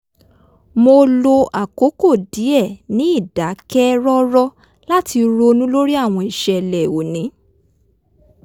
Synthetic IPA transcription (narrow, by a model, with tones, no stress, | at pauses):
mo˧lo˧a˨ko˨˦ko˦˨di˨˦ɛ˦˨nĩ˨˦i˦˨da˨˦kɛ˦ɾɔ˦ɾɔ˦ | la˦ti˧ɾo˧nũ˦lo˦ɾi˦a˦˨w̃ɔ̃˧i˨ʃɛ˨lɛ˨o˨nĩ˨˦